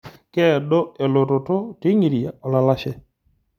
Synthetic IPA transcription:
kɛ˦˨ɗɔ˦e˨lo˨to˨to˦ti˦ŋi˨ɾi˨a̰˨ɔ˨la˦la˦ʃɛ˦

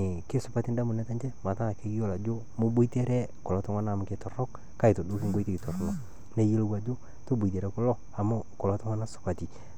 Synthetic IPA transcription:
ɪ˨kɪ˦sʊ˦pa˦ti˦nda˦mʊ˨nɛ˦ta˦ɲt͡ʃɛ˦ma˨ta˦˨ke˦kɪ˦jo˦la˨d͡ʒʊ˦ | mʊ˦bo˦i˦te˦ɾɛ˦kʊ˨lɔ˦tʊ˦ŋa˦naː˦˨mʊ˨˦kɪ˦tɔ˨rɔ˦k | ka˦ɪ˨to˨dʊ˦kɪ˦ŋɡo˦i˦ti˦kɪ˨tɔ˨rnɔ˨ | ne˦je˦lo˦wa˨d͡ʒʊ˦ | to˦bo˨t̬e˨ɾɛ˦kʊ˦lɔ˦ | a˨mʊ˦kʊ˨lɔ˦tʊ˦ŋa˦na˦sʊ̥˨pa˨ti˨

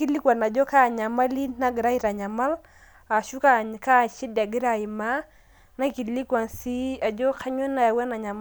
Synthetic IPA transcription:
ki˦li˦kwa˨na˨d͡ʒɔ˦ka˦˨ɲa˨ma˦li˦na˦ɡɾa˦i˦ɾa˨ɲa˨ma˦l | a˨ʃu˦ka˦˨ɲ˨ka˦˨ʃi˦da˨ɡi˦ɾa˨i˨ma˦ | na˦ki˨li˦kwa˨nsi˦a˨d͡ʒɔ˦kʰa˦ɲɔ˦na˦˨wa˦na˨ɲa˨m

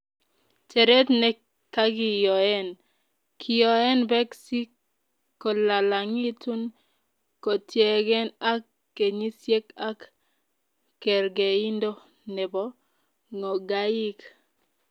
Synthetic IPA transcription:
t͡ʃɛ˨ɾɛ˦tnɛ˨ | kːa˦ɡi˦jɔ˨ɛ˦n | kʰi˨jɔ˨ɛ˦nbɛ˦ksi˦k | kːo˨la˨la˨ŋi˦tu˦n | ko˨tjɛ˨ɡɛ˦na˦kː | e˨ɲi˦sje˦ka˦k | ɛ˨ɾɡe˨i˦ndo˦ | nɛ˨bɔ˦ | ŋo˨ɡa˦ji˦k

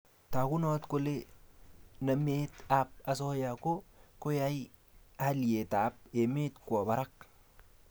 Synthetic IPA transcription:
t̪a˨ku˦no˦t̪ko˦le˦ | nɐ˨meː˦t̪a˦p̚a˨s̬o˦ja˨ko˦ko˦ja˦j | ha˦le˨t̪a˨˦p̚e˨me˦t̪ku˨a˨ba˨ɾa˦k̚

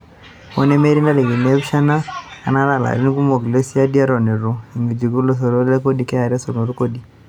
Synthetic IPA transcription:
mɔ˦nɛ˦me˦ɾi˦nda˦le˨ɣi˨nɛ˦βʃa˦na˦a̰˨na˦la˨la̰˨ɾi˦ni˦ku˦mo˨ɡle˦si˦a˦di˦a˦ɾɔ˨ne˨ɾo˨i˨ŋɡi˨d͡ʒi˨ɡu˦lo˦s̬o˨ɾo˦ɾlɛ˦ko˦di˨˦kɛ˦a˨ɾa˦so˨no˨ɾu˦ko˦di˨

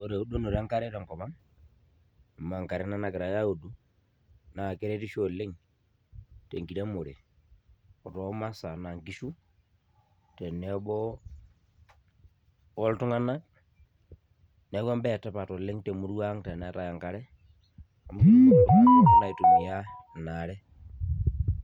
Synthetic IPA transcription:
o˨ɾe˨o˦do˦no˨ɾa˦ŋka˦ɾɛ˦tɛ˨ŋkɔ˨βa˦ŋ˨ | ma˨ŋka˨ɾɛ˦na˦na˨ke˨ɾa˨ja˦o˨du˨ | na˨ke˦ɾɛ˦ti˦ʃo˨le˦ŋ | te˨ŋɡi˨ɾɛ˦mo˨ɾe˨ | ɔ˨tɔ˨˦ma˦sa˨na˨ŋɡi˦ʃu˦ | tɛ˨nɛ˨ɓɔ˦ | o˦ltu˦ŋa˦na˦ | nɛ˨˦βwa˦mbɛtapa˨to˨le˦ŋte˨mu˦ɾwa˦ŋte˨ne˨ta˦ja˨ŋkaɾe˦ | a˨mu˦˨˦ | na˨i˨tu˨mi˨ja˦naɾɛ˦

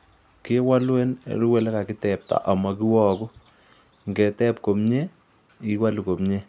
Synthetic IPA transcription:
ki˦wa˦lwɛ˦n̰ɾu˦wɛ˦lɛ˦ka˨ki˦tɛ˨p̚ta̰˨ʔa˨ma˨ki˦wɔ˦kʊ˦ | ŋɡɛ˨tɛ˦pko˨mɲe˦ | i˦wa˦lu˨ko˨mɲe˦

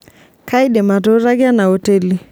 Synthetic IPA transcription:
kaiɗɛ˨ma˨to˦ɾaɡɪ˦a˦na˨hɔ˨tɛli˨

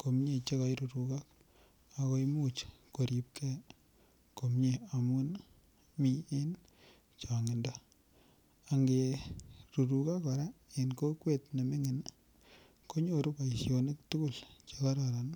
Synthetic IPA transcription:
ko˨mɲe˨t͡ʃe˦ka˨˦jɾu˨ɾu˨ka˦k | a˨ko˦jmu˦t͡ʃko˨ɾi˨p̚kʰɛ˦ | ko˨mɲe˦a˨mu˦n | mi˨e˦n | t͡ʃa˨ŋɪ˨nda˦ | a˨ŋɡe˨ɾu˨ɾu˨ka˦ka˨ɾa˦enko˦kwe˦˨tne˨me˦ŋɪ˨n | ko˦ɲo˦ɾu˦pa˨i˨sjo˨nɪ˦k̚t̪u˦ku˦˨lt͡ʃe˦ka˦ɾaɾa˨n

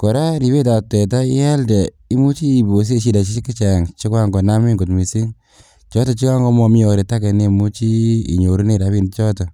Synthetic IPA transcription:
kɔ˨ɾa˦ɾi˨be˦ta˨tɛ˨ta˦i˦ɛ˦lde˨ | i˦mu˦t͡ʃiː˦˨bo˨s̬e˦ʃi˧da˨t͡ʃi˦t͡ʃi˦ki˦t͡ʃa˨ŋt͡ʃi˦kwa˦ŋɡɔ˨na˦mi˦ŋɡu˨tmi˨si˦ŋ | t͡ʃɔ˦tɔ˨˧t͡ʃi˦ka˦ŋɡɔ˦mɔ˧mi˦ɔ˨ɾe˨ta˦ke˨ne˧mu˦t͡ʃi˦ḭ˨ɲo˨ɾu˦ne˦˨ɾa˦βi˦nt͡ʃɔ˦tɔ˨

